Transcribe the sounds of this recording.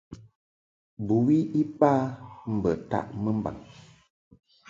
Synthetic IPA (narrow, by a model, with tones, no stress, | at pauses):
bu˨wi˦i˦paː˦m̩˨bə˨ta̰˦˨ʔmə˦m˦ba̰˨ŋ